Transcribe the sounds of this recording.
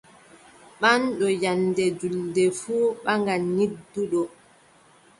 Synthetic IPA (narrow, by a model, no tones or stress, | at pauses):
ɓanɗɔjandɛd͡ʒuldɛfuːɓaŋɡanidːuɗɔ